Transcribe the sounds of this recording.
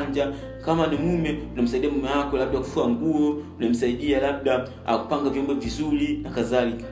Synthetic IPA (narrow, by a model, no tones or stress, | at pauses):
ɲd͡ʒa | kamanimumɛunam̩saiɗiamumɛwakɔlaɓ̚ɗaku̥fuaŋɡuɔunam̩saiɗialab̚ɗa | a̰ku̥paŋɡavjɔmbɔvizulinakazalika